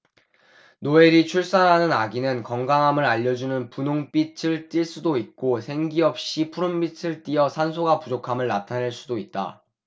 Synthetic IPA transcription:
noe̞ɾit͡ɕʰuɭs͈anɦanɯnaɡinɯnkʌŋɡaŋɦamɯɾaʎːʌd͡ʑunɯnpunoŋp͈it͡ɕʰɯɭt͈iɭs͈udoit̚k͈osʰe̞ŋɡiʌp̚ɕ͈ipʰuɾombit͡ɕʰɯɭt͈iʌsʰans̬ʰoɡapud͡ʑokʰamɯɭnatʰaneɭs͈udoit̚t͈a̰

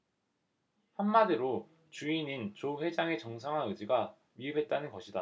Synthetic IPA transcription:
hamːadɯɾo | t͡ɕuinint͡ɕoɸwe̞d͡ʑaŋe̞t͡ɕʌŋsʰaŋɦwaɯd͡ʑiɡa | miɯbɦe̞t̚t͈anɯnɡʌɕʰida

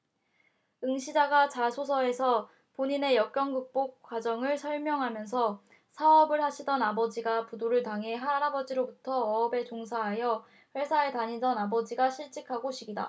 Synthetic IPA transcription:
ɯŋɕʰid͡ʑaɡat͡ɕasʰosʰʌe̞sʰʌ | poɲine̞jʌk͈jʌŋɡɯk̚p͈ok̚k͈wad͡ʑʌŋɯɭsʰʌɭmjʌŋɦamjʌns̬ʰʌ | sʰaʌbɯɭhaɕʰidʌnabʌd͡ʑiɡapudoɾɯɭtaŋɦe̞ɦaɾabʌd͡ʑiɾobutʰʌːbe̞t͡ɕoŋsʰaɦajʌ | ɸwe̞sʰaetaɲidʌnabʌd͡ʑiɡaɕʰiɭt͡ɕ͈ikʰaɡoɕʰiɡida̰

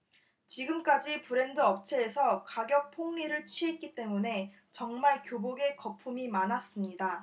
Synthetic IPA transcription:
t͡ɕiɡɯmk͈ad͡ʑipɯɾe̞ndɯʌp̚t͡ɕʰe̞ːsʰʌkaɡjʌk̚pʰoŋɲiɾɯɭt͡ɕʰɥiɦe̞t̚k͈it͈e̞mune̞ | t͡ɕʌŋmaɭkjoboɡe̞kʌpʰumimanas͈ɯmɲida

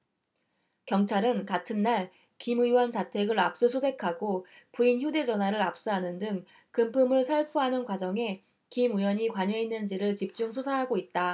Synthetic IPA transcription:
kjʌŋt͡ɕʰaɾɯnkatʰɯnːaɭ | kimɯiwʌnt͡ɕatʰe̞ɡɯɾap̚s͈ɯsʰodʰe̞kʰaɡo | puinçjude̞d͡ʑʌnɦwaɾɯɾap̚s͈ɯɦanɯndɯŋ | kɯmpʰɯmɯɭsʰaɭpʰuɦanɯnkwad͡ʑʌŋe̞ | kimɯwʌɲikwaɲʌinːɯnd͡ʑiɾɯɭt͡ɕip̚t͡ɕ͈uŋsʰusʰaɦaɡoit̚t͈a

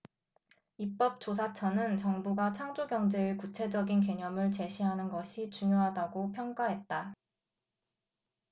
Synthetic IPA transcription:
ip͈ʌp̚t͡ɕ͈os̬ʰat͡ɕʰʌnɯnt͡ɕʌŋbuɡat͡ɕʰaŋd͡ʑoɡjʌŋd͡ʑe̞ekut͡ɕʰe̞d͡ʑʌɡink̬e̞ɲʌmɯɭt͡ɕe̞ɕʰiɦanɯnɡʌɕʰit͡ɕuɲoɦadaɡopʰjʌŋk͈aɦe̞t̚t͈a

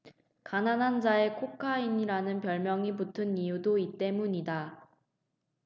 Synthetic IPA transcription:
kananɦand͡ʑae̞kʰokʰainiɾanɯnpjʌɭmjʌŋiputʰɯnijudoit͈e̞muɲida

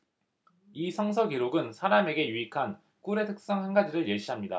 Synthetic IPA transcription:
isʰʌŋsʰʌɡiɾoɡɯnsʰaɾame̞ɡe̞juikʰan | kuɾe̞tʰɯ̥k̚s͈ʌŋɦanɡad͡ʑiɾɯɭjeɕ͈iɦamɲida̰

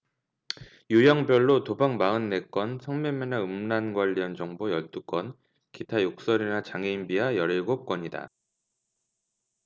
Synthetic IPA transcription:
jujʌŋbjʌɭːotobaŋmaɯnːe̞k͈wʌnsʰʌŋmemːenaɯmnanɡwaʎːiʌnd͡ʑʌŋbojʌɭt͈uk͈wʌn | kitʰajok̚s͈ʌɾinat͡ɕaŋeimbiɦajʌɾeɭɡop̚k͈ʌɲida̰

